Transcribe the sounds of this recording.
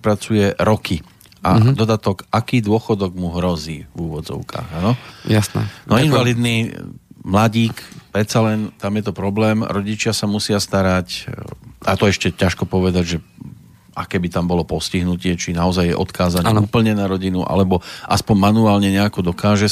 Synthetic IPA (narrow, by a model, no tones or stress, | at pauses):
pɾat͡sujɛɾɔki | ʔad̪ɔd̪at̪ɔkakiːd̪ʊɔxɔd̪ɔɡmuɦɾɔziːvuːʋɔd͡zɔ̰ʊka̰ːɣanɔjasɛ̰nɔjɛkʋalit̪niːmlaɟiːkpɾɛt̪t͡salɛnt̪amjɛt̪ɔpɾɔblɛːmɾɔɟit͡ʃɪasamusɪast̪aɾac | ʔa̰t̪ɔɛʃcɛcaʃkɔpɔʋɛd̪aɟʒɛ | a̰kɛbit̪ambɔlɔpɔsciɦnucɪɛt͡ʃinaɔzajːɛ̰ʔɔ̰t̪kʰaːzaɲɛuːpl̩ɲɛnaɾɔɟinuʔa̰lɛbɔʔaspɔɲmanuaːlɲɛɲɛakɔd̪ɔkaːʒɛ